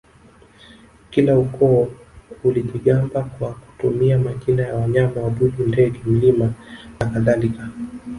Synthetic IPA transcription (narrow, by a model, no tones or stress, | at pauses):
kilaukɔɔuliʄiɠambakwaku̥tumiamakinajawaɲamawaɓuʄindɛɡɛm̩limanakaðalika